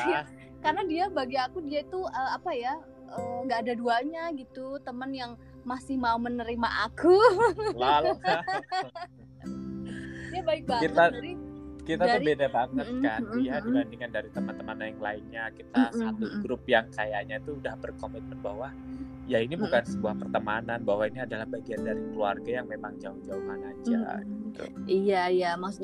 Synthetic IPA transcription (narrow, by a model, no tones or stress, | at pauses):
karnadiabaɡiakudiait̪uəːapaja | ʔəːŋɡaːdaduaɲaɡit̪ut̪əmənjaŋ | masɪhmaumənəɾimaʔakulal | iabaɪk̚bakit̪aɾikit̪aubedabaŋət̪̚skaiadibandiŋandaɾit̪əmant̪əmanajaŋlaɪnɲakit̪asat̪uɡɾʊp̚jaŋkajaʔɲat̪uːdahbərkomit̪̚mənbaɦwa | jainibukansəbuahpərt̪əmananbawainiadalahbaɡiandaɾikəlua̰rɡajaŋmemaŋd͡ʒaʊhd͡ʒaʊhmanad͡ʒa̰ɡit̪ṵijajamaks